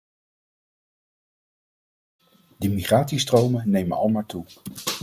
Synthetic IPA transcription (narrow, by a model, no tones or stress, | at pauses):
dəmiχaːtsistrowmənejmənɑ̰lˠmaːɹtu